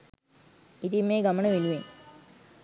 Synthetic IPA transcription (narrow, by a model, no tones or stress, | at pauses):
it̪imːeːɡamənəʋiluʋen